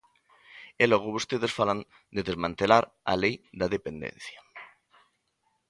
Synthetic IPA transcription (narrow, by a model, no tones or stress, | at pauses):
eloɣ̞oβust̪eðesfalan | d̪eðezmãnt̪elaɾ | a̰lejðaðepend̪ḛ̃n̟θja